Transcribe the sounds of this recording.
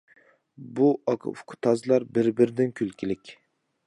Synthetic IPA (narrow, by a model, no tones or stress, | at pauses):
buɑkʰfkʰʊ̥t̪ʰɑzlˠɑɾbɪɾbɪɾɪd̪ɪnkʲʰylkʲɪlɪkʲ